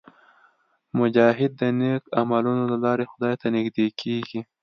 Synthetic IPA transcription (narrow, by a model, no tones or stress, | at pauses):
mʊd͡ʒɑːɦɪd̪̚ːənekamalunolalɑɾexʊd̪ɑjt̪anɪɡd̪ekʰeɡi